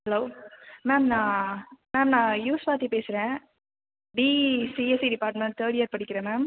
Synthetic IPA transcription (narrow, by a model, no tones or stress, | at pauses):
hɛloːmeːmnãːmɛːmnãːjuːspaːt̪ipeːsɪɾẽː | ɖiːsiːesiɖɪpaːɾʈmɛ̃ɳʈ̚t̪ʰəːɾɽɪjɐɾpɐɽɪkʲːɪɾẽːmɛːm